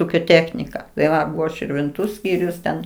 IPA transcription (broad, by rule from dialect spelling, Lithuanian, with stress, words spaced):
ˈuːkʲoː ˈtʲæːxʲnʲɪkɐ tɐɪ ˈʋɐ ʃʲɪrʲʋʲɪnˈtuː ˈsʲkʲiːrʲʊs tʲɛn